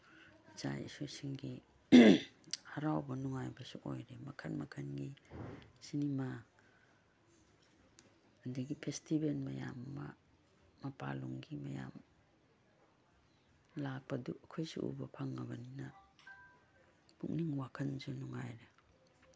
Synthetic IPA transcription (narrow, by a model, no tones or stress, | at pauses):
za̰j̰sosiŋɡi | haɾawbɐnuŋajbɐsuʔo̰jɾemɐkʰanmɐkʰanɡi | sinima | ndiɡipʰestibelmɐja̰mːɐ̰ː | ɐpa̰luŋɡimɐja̰m | lak̚pɐdukʰojsṵʔṵbɐpʰaŋːɐbɐninɐ | buk̚niŋwakʰanzunuŋajɾe